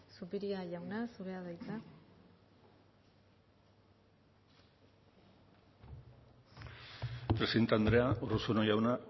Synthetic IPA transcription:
supiɾiaʝawnasuɾeaðajt͡sa | pɾesiðent̪eand̪ɾe̞aʔorusonojawna

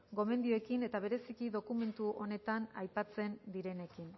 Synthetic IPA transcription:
ɡo̞me̞nd̪ioekine̞t̪aβ̞e̞ɾe̞sikiðo̞kume̞nt̪uʔo̞ne̞t̪anajpat͡se̞nd̪iɾe̞ne̞kin

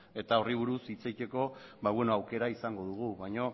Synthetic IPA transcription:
e̞t̪ao̞riβ̞uɾusit͡sajt͡ʃe̞ko̞βaβwenoawke̞ɾaisaŋɡo̞ðuɣ̞uβajɲo̞

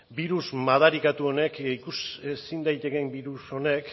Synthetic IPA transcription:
biɾusmað̞aɾikat̪uo̞ne̞kikusesind̪ajt̪e̞kembiɾuso̞ne̞k

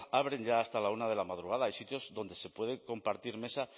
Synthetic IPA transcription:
aβɾeɲɟ͡ʝaːst̪alaunað̞e̞lamað̞ɾuɣ̞að̞aajsit̪jo̞zðo̞nd̪e̞se̞pwe̞ð̞eko̞mpaɾt̪iɾme̞sa

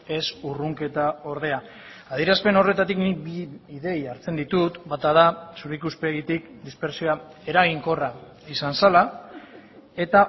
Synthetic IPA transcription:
e̞suruŋke̞t̪ao̞ɾðe̞a | aðiɾaspe̞no̞re̞t̪at̪iknibiiðe̞jaɾt͡se̞nd̪it̪ut̪bat̪aðasuɾikuspe̞ɣit̪ikd̪ispe̞ɾsioa | e̞ɾaɣ̞iŋko̞ra | isansala | e̞t̪a

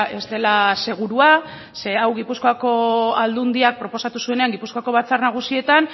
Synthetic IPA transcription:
e̞st̪e̞lase̞ɣ̞uɾua | seawɣipusko̞ako̞ald̪und̪iak̚pɾo̞po̞sat̪usue̞ne̞aŋɡipusko̞ako̞βat͡sarnaɣ̞usie̞t̪an

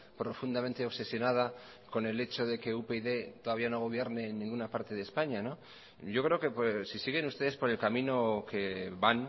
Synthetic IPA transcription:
pɾo̞fund̪ament̪eoβse̞sjo̞nað̞a | ko̞ne̞le̞t͡ʃo̞ðe̞ke̞upeiðe̞t̪oðaβiano̞ɣ̞o̞β̞je̞ɾne̞nːĩŋɡunapaɾt̪e̞ðeːspaɲano | ɟ͡ʝo̞kɾe̞okepsisiɣe̞nust̪eðespo̞ɾe̞lkamĩno̞keβan

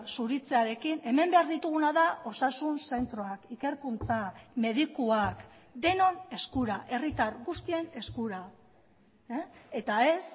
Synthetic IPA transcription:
suɾit͡se̞aɾe̞kine̞me̞mbe̞aɾðit̪uɣ̞unaðao̞sasunse̞nt̪ɾo̞akike̞ɾkunt͡same̞ðikuak | d̪e̞no̞ne̞skuɾaʔe̞rit̪aɾɣust̪ie̞ne̞skuɾa | e̞t̪ae̞s

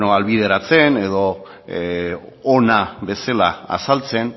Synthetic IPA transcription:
noalβið̞e̞ɾat͡se̞ne̞ðo̞ | naβe̞selaa̰salt͡se̞n

